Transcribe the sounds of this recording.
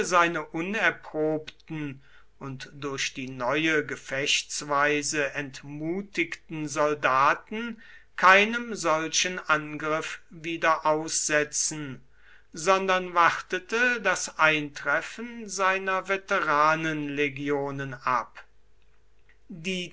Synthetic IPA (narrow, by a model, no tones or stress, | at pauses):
zaɪnəʔʊnɛɐpʁ̥oːptn̩ | ʔʊntd̥ʊɐʃd̥iːnɔʏəɡəfɛʃtt͡svaɪzəʔɛntmuːtɪktn̩zɔldaːtn̩kʰaɪnəmzɔlʃənʔanɡʁɪfviːdɐʔaʊsz̥ɛt͡sn̩ | zɔndɐnvaχtətədasʔaɪntʁ̥ɛfənzaɪnɐvetəʁaːnənleɡjoːnəna̰p | diː